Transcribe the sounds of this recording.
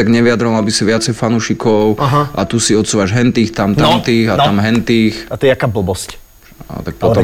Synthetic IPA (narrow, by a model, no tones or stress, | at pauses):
aɡɲɛʋijad̪ɾɔlabisiʋɪat͡sɛjfanuːʃikʰɔʊɦaʔat̪usiɔt̪suːʋaʒɦɛnt̪iːxt̪amt̪ant̪iːɣat̪amɦɛnt̪iːxat̪ɔjɛakaːbl̩bɔsc | t̪ak̚pɔt̪ɔ